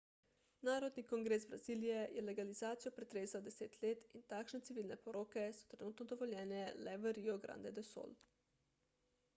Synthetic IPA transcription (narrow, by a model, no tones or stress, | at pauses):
naːɾɔd̪nikɔŋɡɾesbɾaziːlijɛjɛlɛɡalizaːt̪sijɔpɾɛt̪ɾeːzawd̪ɛseːt̪leːt̪int̪aːkʃnɛt̪siʋiːlnɛpɔɾokɛsɔ̥t̪ɾɛnuːt̪nɔd̪ɔʋɔljɛːnɛlɛʋəɾiɔɡɾa̰nd̪ɛd̪ɛso̰ːl